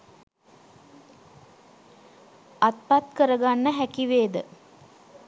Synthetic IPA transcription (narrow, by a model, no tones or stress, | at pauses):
at̪̚pat̪kəɾəɡanːəɦækiʋeːd̪ə